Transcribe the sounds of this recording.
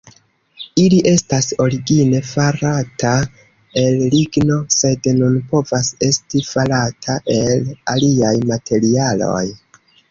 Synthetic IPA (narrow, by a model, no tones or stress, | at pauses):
iliʔe̞staso̞ɾiɡine̞faɾatʰa | e̞lliɡno̞se̞dnunpo̞vase̞stifalatʰaʔe̞laliajmatʰe̞ɾialo̞̰j